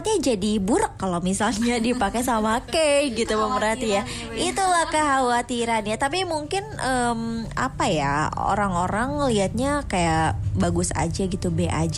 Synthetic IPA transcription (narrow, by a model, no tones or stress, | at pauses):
t̪iɲad͡ʒadibuɾəkːalowmisalɲadipakesamakeɡit̪uməmbəɾat̪ija | it̪ulahkəɦawat̪iɾanjat̪ap̬imuŋkɪnʔəma̰paja̰o̰ɾaŋoɾaŋliat̪̚ɲakajaʔbaɡʊsa̰d͡ʒaɡit̪ubeʔa̰d͡ʒ